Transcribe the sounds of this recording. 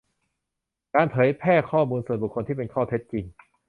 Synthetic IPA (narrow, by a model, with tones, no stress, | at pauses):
kaː˧npʰɤː˩˦jpʰɛː˥˩kʰɔː˥˩muː˧nsu˨˩nbu˨˩kʰːo˧nt̪ʰiː˥˩pe˧nkʰɔː˥˩t̪ʰe˦˥t̪̚t͡ɕi˧ŋ